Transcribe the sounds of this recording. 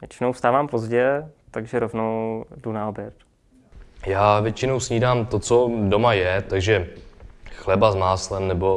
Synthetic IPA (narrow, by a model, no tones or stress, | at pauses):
vjɛt͡ʃɪnowst̪aːvaːmpozɟɛt̪aɡʒɛɾovnowdunaobjɛt̪ | jaːvjɛt͡ʃɪno̞wsɲiːdaːmt̪ot͡sodomajɛt̪aɡʒɛ | xlɛbazmaːslɛmnɛbo̞